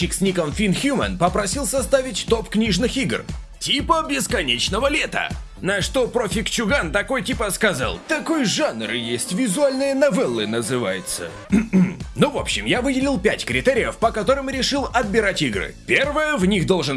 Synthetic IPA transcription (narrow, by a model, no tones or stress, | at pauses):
ɪksʲnʲikəmfʲinxʲjumə̰npəpɾɐsʲilˠsɐst̪avʲɪtʲt̪o̞pknʲiʐnɨxiɡrtʲipəbʲɪskɐnʲet͡ɕnəvəlʲet̪ə̰ | nɐʂt̪o̞pɾofʲɪkt͡ɕʊɡant̪ɐko̞jtʲipəskɐza̰lˠt̪ɐko̞jʐanɾɨjesʲtʲvʲɪzʊalʲnɨjənɐvɛlˠːɨnəzɨva̰jɪt̪sə̰ | m̩novo̞pɕːɪmjavɨdʲɪlʲilˠpʲætʲkɾʲɪt̪ɛɾʲɪjəfpəkɐt̪o̞ɾɨmɾʲɪʂɨlˠɐd̪̚bʲɪɾatʲiɡrɨ̰pʲervəjəvnʲixd̪o̞lˠʐɨn